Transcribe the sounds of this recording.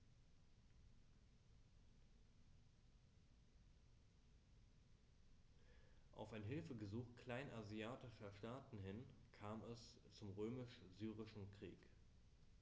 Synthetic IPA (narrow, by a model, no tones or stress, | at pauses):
ʔa̰ʊfaɪnɦɪlfəɡəzuːxkl̥aɪnʔaziaːtɪʃɐʃtaːtn̩ɦɪnkʰaːmɛs | t͡sʊmʁøːmɪʃzyːʁɪʃn̩kʁ̥ḭːk